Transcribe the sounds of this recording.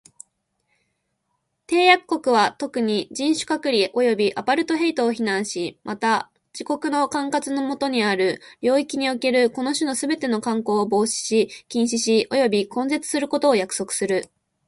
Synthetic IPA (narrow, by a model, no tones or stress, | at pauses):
t̪e̞ːjakkːo̞kɯ̟β̞at̪o̞kɯ̟ɲ̟id͡ʑĩɰ̃ɕɨ̥kakɯ̟ɾʲiʔo̞jo̞bʲiʔapaɾɯ̟t̪o̞ɦe̞it̪o̞ːçinãɰ̃ɕimʔat̪a | d͡ʑ̥iko̞kɯ̟no̞kãŋkat͡sɨno̞mo̞t̪o̞ɲ̟iaɾɯ̟ɾʲo̞ːikʲiɲ̟ioke̞ɾɯ̟ko̞no̞ɕɨno̞sɨbe̞t̪e̞no̞kãŋko̞ːbo̞ːɕi̥ɕikʲĩɰ̃ɕiɕiʔo̞jo̞bʲikõ̞nze̞t͡sɨ̥sɨɾɯ̟ko̞t̪o̞ːjakɯ̟̥so̞kɯ̟̥sɨɾɯ̟